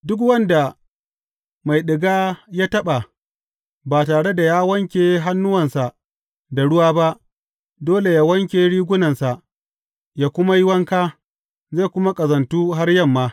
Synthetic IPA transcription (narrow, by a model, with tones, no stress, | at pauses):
dʊ˦k̬wɐ˦nda˨ | ma˨jɗɪ˨ɡaː˦jaː˦tɐ˦ɓa˨ | baː˨taː˨ɽe˦da˨jaː˦wɐ˦ŋkʲeː˨ɦa˦nːʊ˦wɐ˨nsa˨ | da˨ɽʊ˦waː˦ba˦ʔ | doː˦le˨jaː˦wɐ˦ŋkʲeː˨ɽiː˦ɡʷʊ˦nɐ˨nsa˨ʔ | jaː˦kʷʊ˦ma˦jɪ˦wɐ˦ŋkaː˦ | zeː˦˨kʷʊ˦ma˦kʼɐ˨zɐ˨ntuː˦ɦa˦rjɐ˦mːaː˦